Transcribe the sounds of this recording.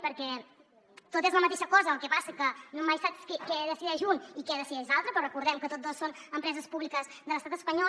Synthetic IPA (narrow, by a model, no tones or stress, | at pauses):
pəɾkɛ | t̪ot̪ezləmət̪eʃəkɔzəːlˠkɛpasəkənomajsaskɛkɛðəsiðɛʒunikɛðəsiðɛʒalˠt̪ɾəpɾɔrəkuɾðɛmkət̪ot̪̚d̪osonəmpɾɛzəspuβlikəzðələst̪at̪əspəɲɔ